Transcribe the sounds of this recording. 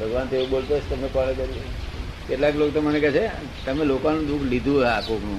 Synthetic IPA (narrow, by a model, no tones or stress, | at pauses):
bʱəɡʋant̪eũbolt̪ot͡ʃʰt̪əmepəɭ̃kəɾi | keʈlaklokt̪omənekɛt͡ʃʰe | t̪əmelokanũd̪ukʰlid̪ʱũakopnũ